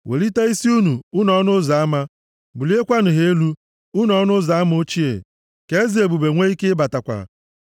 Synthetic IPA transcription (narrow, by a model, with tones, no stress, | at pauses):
wʔḛ˨li˦ta˦i˦si˦u˦nu˨u˦nɔ˦nʊ˦za˨˦a˦ma˦ | bu˨li˦e˦kʷa˦nʊ˨ɦe˨˦e˦lu˦ | u˦nɔ˦nʊ˦za˨˦m˦o˦t͡ʃi˦ḛ˨ | ke˦e˦zi˨e˨bu˨be˨ŋʷe˦i˦ke˦ba˨ta˨kʷa̰˨